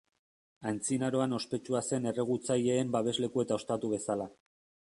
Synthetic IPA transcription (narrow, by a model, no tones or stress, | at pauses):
ant͡sinaɾo̞ano̞spe̞t͡ʃuase̞ne̞re̞ɣut͡saje̞ːmbaβ̞e̞zle̞kue̞t̪ao̞st̪at̪uβ̞e̞sala